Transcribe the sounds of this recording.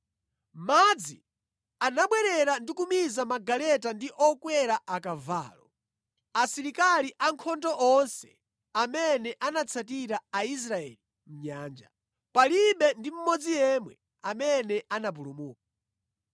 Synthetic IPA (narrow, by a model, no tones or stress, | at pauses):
mad͡zi | anaɓwɛɾɛɾandikumizamaɡalɛtandiʔɔkwɛɾaʔakava̰ːlɔ | asiɾikaliʔaŋkʰɔndɔʔɔnsɛ̥̰ | amɛnɛʔanat͡sʰatiɾaais̬ɾaɛ̰li | m̩ɲaːnd͡ʒa | paliɓɛndim̩mɔd͡zijɛmwɛ̰ | amɛnɛʔanap̬ulumuːk̚a